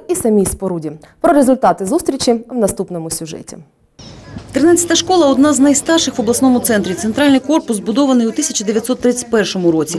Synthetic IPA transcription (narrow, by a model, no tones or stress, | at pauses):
isɐmʲijspɔɾudʲi | pɾɔɾezʊlʲt̪ɑt̪ɪzust̪ɾʲit͡ʃiwnɐst̪upnɔmʊsʲʊʒɛ̰tʲḭ | t̪ɾɪnɑtʲt͡sʲːɐ̥t̪ɐʃkɔlˠɐɔd̪nɑznɐjst̪ɑrʃɪxʋɔblˠɐsnɔmʊt̪sɛnt̪ɾʲit̪sent̪ɾɑlʲnɪjkɔrpʊsbʊd̪ɔʋɐnɨjut̪isʲɐt͡ʃɐd̪eʋʲjɐt̪sɔt̪ːɾɪt̪ʲt͡sʲɐ̥t̚ʲpɛrʃɔmʊɾɔt͡sʲi